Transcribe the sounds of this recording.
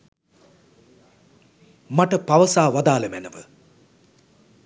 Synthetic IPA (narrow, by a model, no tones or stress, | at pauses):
maʈəpaʋəsaːʋad̪aːlɐmænəʋə